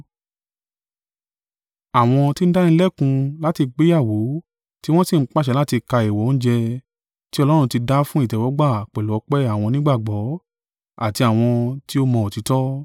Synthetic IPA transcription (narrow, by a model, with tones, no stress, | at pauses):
a˨w̃ɔ̃˧ti˦n̩˦da˦ñ̩˦lɛ˦kũ˧la˦ti˧k͡pe˦ja˦˨wo˨˦ | ti˦w̃ɔ̃˦si˦˨ŋ͡m̩˦k͡pa˦ʃɛ˨˧la˦ti˧ka˧e˨wɔ˨˦n̩˦d͡ʒɛ˧ | ti˦ɔ˧lɔ˦ɾ̃ũ˧ti˧da˦fũ˦i˦˨tɛ˨wɔ˨˦ɡ͡ba˦˨k͡pɛ˨lɔ˨˦k͡pɛ˦a˦˨w̃ɔ̃˧nĩ˦ɡ͡ba˦˨ɡ͡bɔ˨˦ | a˦˨ti˧a˨w̃ɔ̃˧ti˦o˦mɔ̃˧o˨ti˨˦tɔ˦